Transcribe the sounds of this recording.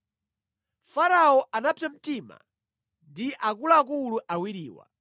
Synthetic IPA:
faɾaɔʔanapam̩tima̰ | ndiʔakulaːk̬uluʔawiɾiːwa̰

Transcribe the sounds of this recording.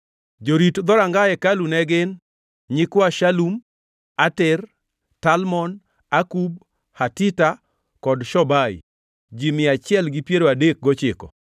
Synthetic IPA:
d͡ʒoɾitd̪ɔɾaŋɡaɛkalunɛɡɪn | ɲɪkwaʃalum | atɪr | talmɔn | akub̚ | hatita | kɔdʃɔbaj̰ | d͡ʒimɪat͡ʃɪɛlɡipjeɾoadek̚ɡɔt͡ʃɪkɔ̰

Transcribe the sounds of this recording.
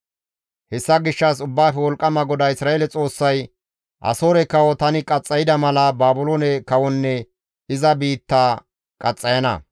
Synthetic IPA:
hɛsːɐɡɪʃːɐs̬ʊbːaːfɛwɔlkʼːɐmɐɡɔd̪ɐɪsɾaːelɛt͡sʼo̞ːsːɐj | ʔɐ̰so̞ːɾɛkɐwɔt̪ɐnɪkʼɐt͡sʼːɐjɪd̪ɐmɐlɐbaːbʊloːnɛkɐwɔnːɛ | ɪzɐbiːt̪ːaː | kʼɐt͡sʼːɐjɐnɐ̰

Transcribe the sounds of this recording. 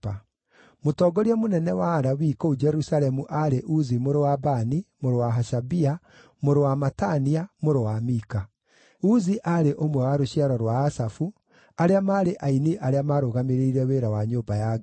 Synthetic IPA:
a | motɔːɡɔɾiɛmonɛnɛwaːɾawiːkoud͡ʒɛɾusaɾɛmuʔaɾeʔuzimoɾowabanimoɾowaɦaʃabia | moɾowamataniamoɾowamika | uziʔaɾeʔomwɛwaɾoɕiaɾɔɾwaːsafu | aɾeamaːɾeʔainiʔaɾeamaɾoɣameɾeiɾɛweːɾawaɲoːbaja

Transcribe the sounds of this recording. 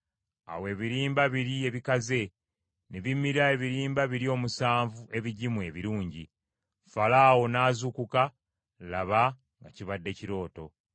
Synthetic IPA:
a̰we̞ːβiɾiːmbaβiɾie̞βikaze̞ | neβimːiɾae̞βiɾiːmbaβiɾio̞ːmusaːɱvue̞βiɟimue̞βiɾuːɲɟi | falaːwo̞naːzukuka | laβa | ŋɡaciβadːe̞ciɾo̞ːto̞

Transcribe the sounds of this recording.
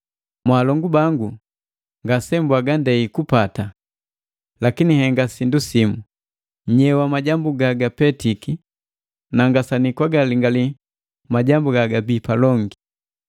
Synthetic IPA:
mwaːlɔŋɡubaŋɡu | ŋɡasɛmbwaɡandɛikupata | lakinihɛŋɡasindusimu | ɲɛwamaɟambuɡaɡapɛtiki | naŋɡasanikwaɡaliŋɡali | maɟambuɡaɡabipalɔŋɡi

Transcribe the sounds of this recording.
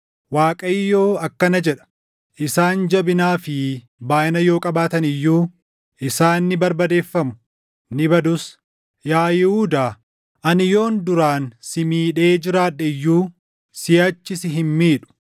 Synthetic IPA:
waːkʼɐɪjːo̞ːɐkːɐnɐd͡ʒɛᶑɐ̥ | ʔɪsaːnd͡ʒɐbɪnaːfɪ | baːʔɪnɐjo̞ːkʼɐbaːt̪ɐnɪjːuː | ʔɪsaːnːɪbɐɾbɐd̪e̞ːfːɐmʊ̥ | nɪbɐd̪ʊs | jaːjɪhuːd̪aː | ʔɐnɪjo̞ːnd̪ʊɾaːnsɪmiːᶑe̞ːd͡ʒɪɾaːᶑɛjːuː | sɪjɐt͡ʃːɪsɪɦɪnmiːᶑʊ̥

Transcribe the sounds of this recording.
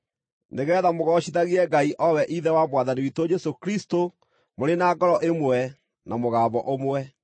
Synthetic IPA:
neɣɛːðamoɣɔɕiðaɣiɛɡaiʔɔwɛʔiðɛwamwaðaniwitod͡ʒɛsokɾisto | moɾenaːɡɔɾɔʔemwɛ | namoɣaːβɔʔomwɛ

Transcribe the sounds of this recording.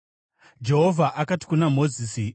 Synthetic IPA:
d͡ʒe̞ɦo̞vʱaʔakati̥kunamo̞ziːsi

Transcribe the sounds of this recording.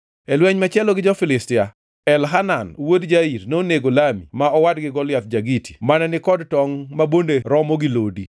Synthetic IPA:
ɛlwɛɲmat͡ʃɛlɔɡɪd͡ʒɔfɪlɪstɪa | ɛlɦananwodd͡ʒaiɾnoneɡolamḭmaɔwadɡɪɡɔljat̪̚d͡ʒaɡitʰi̥manɛnɪkɔdtɔŋmabondeɾɔmɔɡɪlodi

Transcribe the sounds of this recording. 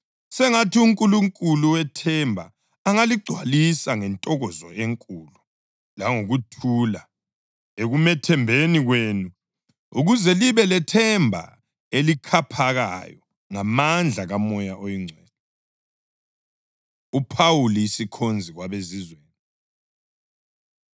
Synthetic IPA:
sɛŋatʰiuŋkʼuluŋkʼuluwɛtʰɛmbʱa̰ː | ŋaliɡ͡ǀʱwalisaŋɛntʼɔɣɔzɔ̰ʔeŋkʼulu | laŋoɣutʰula | eɣumɛtʰɛmbʱeniɣweːnu | ṵɣuzɛliβɛlɛtʰɛmbʱa̰ | elikʰapʰaɣa̰jɔ | ŋamand͡ɮʱaɣamɔjaʔojiŋ͡ǀʱwɛːlɔ | upʰawuljisikʰond͡zʱiɣwaβezizweːni

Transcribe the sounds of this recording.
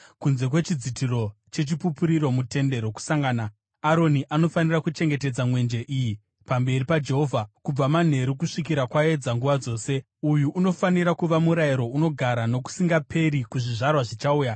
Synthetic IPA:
kunze̞kwe̞t͡ʃid͡zitiro̞ | t͡ʃe̞t͡ʃipupuɾiro̞mute̞nde̞ɾo̞ku̥saŋɡaːna | aɾo̞niʔano̞fanirakut͡ʃe̞ŋɡe̞te̞d͡zamwe̞nd͡ʒe̞ʔiji | pambe̞ripad͡ʒe̞ɦo̞vʱakub͡vaman̤e̞ɾukuʂik̬iɾakwae̞d͡zaŋɡuʋad͡zo̞ːse̞ | ujuʔːno̞faniɾakuʋamuɾaiɾo̞uno̞ɡʱaɾano̞k̬u̥siŋɡapʰe̞ɾikuʐiʐarwaʐit͡ʃauːja

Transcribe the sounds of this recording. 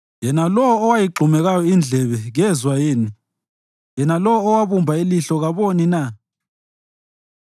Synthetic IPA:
jɛnalɔwɔːwajiɡ͡ǃʱumɛɣajɔind͡ɮʱɛβɛɣɛzwajeːni | jɛnalɔwɔːwaβumbʱailiɬɔɣaβonina

